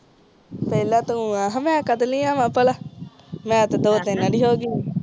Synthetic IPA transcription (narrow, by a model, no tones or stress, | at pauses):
peːlãːt̪uaːɦmɛ̃ːkət̪liːãːmãːpəla | mɛ̃ːt̪d̪oːt̪ɪnːãːɖiːɦoːɡiː